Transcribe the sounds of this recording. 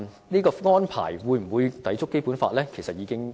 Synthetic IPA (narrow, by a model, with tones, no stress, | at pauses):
niː˥kɔː˧ŋɔː˥npʰa̰ː˨˩jwuː˨˧jm̩˨˩wuː˨˧jt̪ɐ˨˥jt͡sʊ˥kːe˥jpuː˨˥nfa̰ː˧t̚lɛː˥kʰe˨˩jsɐ˨t̚jiː˨˧kɪ˥ŋ